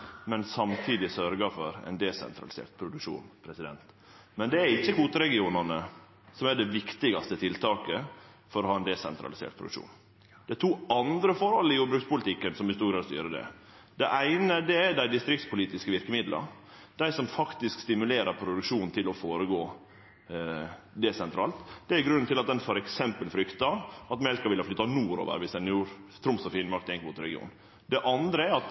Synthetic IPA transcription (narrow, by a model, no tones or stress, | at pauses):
mɛnsɑmt̪ʰiːd̪ɪsœɾɡɑfɔɾɛ̰ɪnd̪ɛsɛ̰nt̪ɾɑ̰lɪsḛːɾʈ̪pʰɾʊd̪ʉkʂṵːnpʰɾɛsɪd̪ɛ̰nt̪ | mɛnd̪ɛæɾɪçːəkuːt̪əɾɛɡɪuːnɑnə | sɔmæɖɛʋɪkt̪ɪɡɑst̪ət̪ʰɪlt̪ʰɑːkə | fɔɾɔhɑːɛnd̪ɛsɛ̰nt̪ɾɑ̰lɪsḛːʈ̪̚pʰɾʊd̪̰ʂṵːn | d̪̥ɛt̪ʰuːɑnd̪ɾəfɔɾhɔlːəɪjuːɾbɾʉːkspʊlɪt̪ʰɪkːənsɔmɪst̪uːɾɡɾɑːd̪st̪y̰ːɾəd̪ɛ̰ | d̪ɛʔæɪnəd̪ɛɛɖæɪd̪ɪst̪ɾɪkt̪spʰʊliːt̪ɪskəʋɪɾkəmɪd̪lʔə̰ | d̪̥æɪsɔmfɑkt̪ɪskst̪ɪmʉleːɾəɾpʰɾʊd̪ʉkʂuːnnt̪ʰɪlɔfoːɾəɡoː | d̪ɛsɛnt̪ʰɾɑ̰ːlt̪d̪̥ɛæɾɡɾʉnːnt̪ʰɪlɑt̪̚d̪ɛnfɔɾɛksɛmpəlfɾʏkt̪ɑɑt̪mɛlkɑʋɪlhəflʏt̪ːɑnuːɾo̰ːʋə̰ɾʋɪsɛnjuːɾt̪ʰɾʊmsɔfɪnmɑkt̪ɛŋkmuːt̪ɾɛ̰ɡɪṵːn | d̪ɛʔɑnd̪ɾəɛɾɑt̪